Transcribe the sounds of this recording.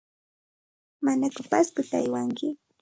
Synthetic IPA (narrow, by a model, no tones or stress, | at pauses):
manakʊpaskʊt̪aa̰jwaŋkɪ